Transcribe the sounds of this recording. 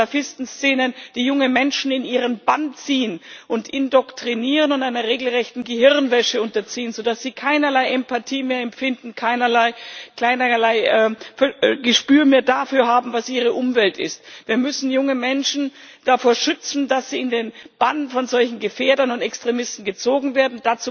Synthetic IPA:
afɪstn̩st͡seːnənd̥iːjʊŋəmɛnʃn̩ɪniːʁ̞ənbant͡siːənʔʊntʔɪndɔktʁ̥iniːʁənʊntaɪnɐʁeːɡl̩ʁɛçtn̩ɡəɦɪʁnvɛʃəʊntɐt͡siːənzodasz̥iːkʰaɪnɐlaɪʔɛmpatʰiːmeːɐɛmfɪndn̩kʰaɪnɐlaɪkl̥aɪnɐlaɪʔɛfɛɡəʃpyːɐmeːɐdafyːɐɦaːbm̩vasʔiːʁ̞əʔʊmvɛltɪ̰stv̥iːɐmʏsn̩jʊŋəmɛnʃn̩ | d̥afoːɐʃʏt͡sn̩dasz̥iːɪndeːnb̥anfɔnzɔlçn̩ɡəfeːɐdɐnʊntɛkstʁ̥emɪstn̩ɡət͡soːɡŋ̩veːɐdn̩d̥at͡suː

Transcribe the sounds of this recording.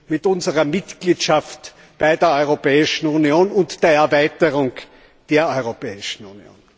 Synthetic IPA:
mɪtʊnzəʁɐmɪtɡ̥liːtʃaft | b̥aɪdeːɐɔʏʁopɛːɪʃn̩unioːnʊntd̥eːɐɛɐvæɪtəʁʊŋ | d̥eːɐɔʏʁopɛːɪʃn̩unio̰ːn

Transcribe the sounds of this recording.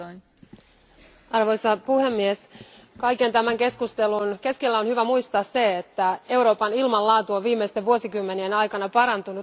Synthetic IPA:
ɑrʋo̞jsɑpuhe̞mːies | kɑjke̞nt̪æmæŋke̞skust̪e̞lunke̞skelːæo̞nhyʋæmujst̪ɑːsse̞et̪ːæe̞wɾo̞ːpɑnilmɑllɑːt̪uoʋʋiːmːejst̪eʋuosikymːe̞nienɑjkɑnɑpɑɾɑnt̪unut̪

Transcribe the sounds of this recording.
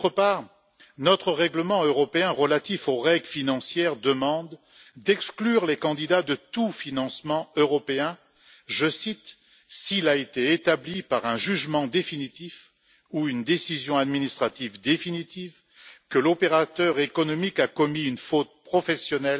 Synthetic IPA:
ot̪χəpaːʁ | nɔt̪χəʁɛɡləmɑ̃øʁɔpeɛ̃ʁəlat̪ifoʁɛɡlfinɑ̃sjɛʁd̪əmɑ̃d̪ | d̪ɛksklyʁlekɑ̃d̪id̪ad̪ət̪ufinɑ̃smɑ̃øʁɔpeɛ̃ | ʒəsit̪ | silaet̪eːt̪ablipaʁɛ̃ʒyʒmɑ̃d̪efinit̪if | uynd̪esizjɔ̃ad̪minist̪χat̪ivd̪efinit̪iv | kəlɔpeʁat̪œʁekɔnɔmikakɔmiynfot̪̚pχɔfɛsjɔnɛl

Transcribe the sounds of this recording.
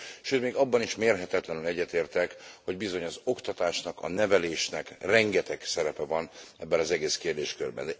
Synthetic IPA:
ʃøːt̪meːɡɒbːɒniʃmeːrɦɛt̪ɛt̪lɛnylɛɟːɛt̪eːrt̪ɛkho̞ɟbizo̞ɲɒzo̞kt̪ɒt̪aːʃnɒkɒ̰nɛvɛleːʃnɛkrɛŋɡɛt̪ɛksɛɾɛpɛvɒnɛbːɛnɒzɛɡeːskeːrd̪eːʃkørbɛ̰n

